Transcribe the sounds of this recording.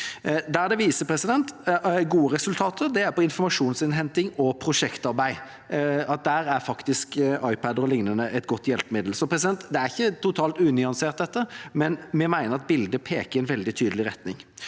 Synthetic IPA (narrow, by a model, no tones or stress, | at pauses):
d̪æɾd̪ɛʋiːsəpʰɾɛsɪd̪ɛnt̪ɡuːəɾɛsʉlt̪ʰɑːt̪ʰəɾd̪ɛæɾpɔɪnfɔmɑʂuːnsɪnɦɛnt̪ɪŋɔpʰɾʊʂɛkt̪ɑɾbæɪ | ɑt̪̚d̪æɾæɾfɑkt̪ɪskɑɪpæd̪əɾɔlɪŋnənəʔɛt̪ɡɔt̪ːjɛlpəmɪd̪l̩sɔpʰɾɛs̬ɪd̪ɛnt̪d̪ɛæɾɪçːət̪ʰʊt̪ʰɑːlt̪ʉːnʏɑnseːʁt̪̚d̪ɛt̪ːəmɛnmɛmæɪnəɾɑt̪̚bɪld̪əpʰeːkəɾɛɪnʋɛld̪ɪt̪ʰyːd̪əl̩ɪɾɛt̪nɪŋ